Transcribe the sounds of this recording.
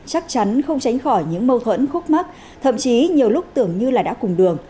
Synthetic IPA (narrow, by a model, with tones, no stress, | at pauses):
t͡ɕa˦˥k̚t͡ɕa˨˦nxə˧wŋ͡mt͡ɕa˨˦jŋ̟xɔ˧˩jɲɨ̰˧˥ŋmə˧wt̪ʰwə̰˧˥nxʊ˦˥k͡p̚ma˦˥k̚ | t̪ʰə̰˧˨mt͡ɕi˨˦ɲi˨˩əwlʊ˦˥k͡p̚t̪ɨ˧˩əŋɲɨ˧laː˨˩ɗa̰ː˧˥kʊ˨˩ŋ͡mɗɨ˨˩əŋ